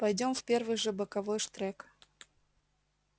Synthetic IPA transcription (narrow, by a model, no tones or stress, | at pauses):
pɐjdʲo̞mfpʲe̞rvɨjʐɨbəkavojʂt̪ɾɛk